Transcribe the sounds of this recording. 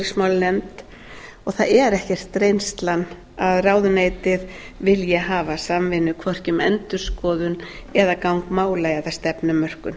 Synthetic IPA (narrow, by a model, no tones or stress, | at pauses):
smawlnɛnt̪ | ɔɣθaðɛɾɛhcɛr̥t̪ːɾejnst̪lan | aðraːwðʏneːjt̪ɪð | vɪljɛɦaːvasamvɪnːʏkʰvɔr̥cʏmɛnt̪ʏɾ̥skɔːðʏnɛðakawŋkmaːwlaːjaðast̪ɛpnʏmːœr̥kʏn